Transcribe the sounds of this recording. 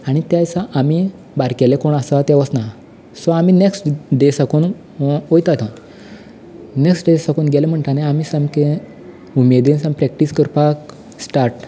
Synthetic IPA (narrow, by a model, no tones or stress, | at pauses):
aɽ̃it̪jajsaʔami | baɾkɛlekoɳasat̪ɛ̃ʋəsna | sɔamineksʈɖesakun | ojt̪at̪ʰan | neksʈɖesakunɡelem̤əɳʈ̪anaamisamkẽ | umed̪insampɾɛk̚ʈiskəɾpak | sʈaɾʈ